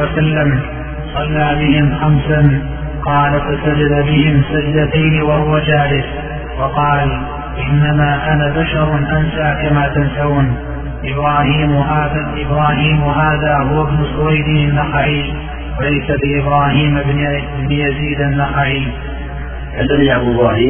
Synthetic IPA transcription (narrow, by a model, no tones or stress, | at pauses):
asalːam | sˤɑlːaːbɪhɪmxamsan | qɑːlafasad͡ʒad̪abɪhɪmsad͡ʒd̪at̪ajnɪwahʊwad͡ʒaːlɪs | wɑqɑːl | ʔɪnːamaːʔanabaʃɑɾˤnʔansaʕkamaːt̪ansauːn | ʔɪbɾɑːhiːmaːðaʔɪbɾɑːhiːmɦaːðaːhʊwabnʊsʊwajd̪ianːaxaʕiː | walajsalɪʔɪbɾaːhiːmb | bnɪjaziːd̪anːaxaʕiː | ʔadaliʔabɪaːhiː